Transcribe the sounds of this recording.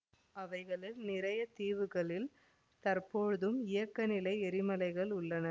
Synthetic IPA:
ɐʋɐɪɣɐɭɪlnɪɾɐjɐt̪iːʋɯɣɐɭɪl | t̪ɐrpoːɻɯðɯmɪjɐkːɐnɪlɐɪɛɾɪmɐlɐɪɣɐɭʊɭːɐnɐ

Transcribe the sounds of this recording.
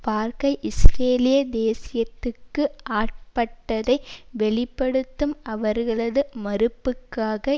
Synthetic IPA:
paːɾkɐɪʔɪsɾeːlɪjɐd̪eːsɪjɐt̪ːɯkːɯʔaːʈ̚pɐʈːɐðɐɪʋɛɭɪpːɐɽɯt̪ːɯmɐʋɐɾɣɐɭɐðɯmɐɾɯpːɯkːaːɣɐ

